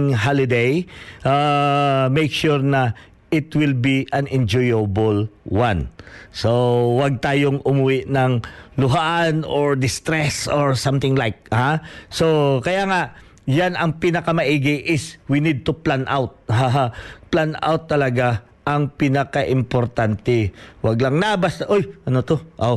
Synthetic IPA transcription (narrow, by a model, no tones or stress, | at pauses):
ŋɦalɪd̪ejʔa | mejkʃuɹnɐ | ʔɪt̪wɪlbiʔɐnɛnd͡ʒɔjɐbolwansowaɡ̚t̪aːjoŋʊmʊwɪʔnɐŋlʊɦaʔanoɹd̪ɪst̪ɾɛsoɹsamt̪ɪŋlajk̚hasokɐjaŋaʔ | janɐŋpinɐkɐmɐʔiːɡɪʔɪswinid̪̚t̪ʊplanʔawt̪̚haɦaplana̰wt̪ːɐlɐɡa | ʔɐŋpinɐkaʔɪmpoɾt̪ant̪ɛwɐɡ̚lɐŋnabasʔojʔɐnot̪oʔow